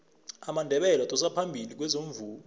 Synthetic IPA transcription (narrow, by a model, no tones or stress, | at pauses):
amandʱɛɓɛlatʼɔs̬apʰambʱilik̬wɛzoɱvuː